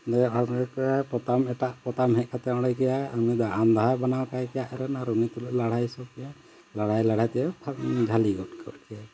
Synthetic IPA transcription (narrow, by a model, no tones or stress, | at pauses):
dɛɔɛkpɔt̪amɛʈaʔpɔt̪amɦɛʔ̚kat̪ɛɔ̃ɽakɛjaamid̪aʔand̪aɦajbanawkajkɛjaʔɾɛnaɾunit̪uluʔlaɽajsɔb̚kɛ | laɽ̤ajlaɽ̤ajt̪ɛɛpʰd͡ʒʱaliɡɔt̚kʰə̰ɾkɛa